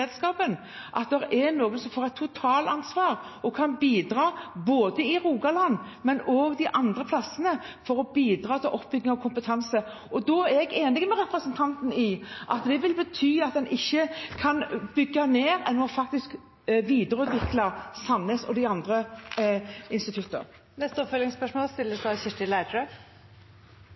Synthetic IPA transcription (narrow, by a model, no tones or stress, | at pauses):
ed̪skɑːpən | ʔɑ̰t̪̚d̪ɛɾɛɾnoːɡənsɔmfoːʁɛt̪ʰːʊt̪ʰɑːlɑnsʋɑːɾɔkʰɑnbiːd̪ɾɑːboːd̪əɪʁuːɡɑlɑnː | mɛnoːɡd̪ɪʔɑnd̪ɾəpʰlɑsənəfɔɾɔbiːd̪ɾɑːt̪ʰɪlʔɔpːbʏɡnɪŋɑkʰʊmpət̪ʰɛnsə | ɔd̪ɔæɾɛɡeːnɪɡmɛɾɛpɾəsənt̪ʰɑnt̪n̩ɪʔɑ̰t̪̚d̪ɛʋɪlbət̪ʰyːɑt̪̚d̪ɛnʔɪçːəkʰɑnbʏɡːɑmeːɾɛ̰nːmɔfɑk̚t̪ɪsk | ʋiːd̪əɾʉːt̪ʰʋɪklɑsɑnːəsɔ̰d̪ɪɑnd̪ɾə | ɪnst̪ɪt̪ʰʉt̪ːə̰ | nɛst̪əɔpfœlɪŋspœʂmoːlst̪ɪlːəsd̪ɑɕɪʂʈɪlæɪtʰɾɛ